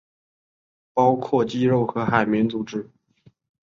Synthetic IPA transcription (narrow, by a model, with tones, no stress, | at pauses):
pɑ˥ʊkʰwɔ˥˩t͡ɕi˥ɻo˥˩ʊxɤ˧˥xa˨˩ɪmjɛ˧˥nt͡su˨˩ʈ͡ʂɻ̩˧˥